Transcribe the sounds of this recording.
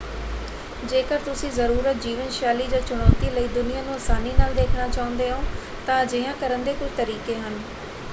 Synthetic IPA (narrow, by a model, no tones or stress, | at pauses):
d͡ʒeːkəɾt̪ʊsĩːzəɾuːɾət̪̚d͡ʒiːʋənʃaːliːd͡ʒãːt͡ʃʊɽ̃ɔːt̪iːləiːd̪ʊnɪjãːnũːəsaːniːnaːld̪eːkʰnaːt͡ʃaːʊ̃nd̪eːɦõː | t̪ãːd͡ʒɪãːkəɾənd̪eːkʊd͡ʒt̪əɾiːkeːɦən